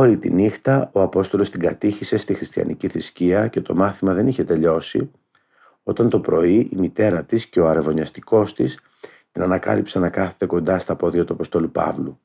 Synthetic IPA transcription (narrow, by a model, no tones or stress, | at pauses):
oɾit̪ḭnixt̪ɐo̞ɐpo̞st̪o̞lo̞st̪iŋɡɐt̪içise̞st̪ixɾist̪ijɐ̰nḭciθɾisciɐce̞t̪o̞̰mɐθimɐðe̞niçe̞t̪e̞ʎo̞sḭ | o̞t̪ɐnt̪o̞pɾo̞iʔimit̪e̞ɾɐt̪isce̞o̞ɐɾevo̞ɲɐst̪iko̞st̪is | t̪inɐnɐkɐ̰lipseɐnɐkɐθet̪e̞ko̞nd̪ɐst̪ɐpo̞ðʝɐt̪uɐpo̞st̪o̞lupɐ̰vlu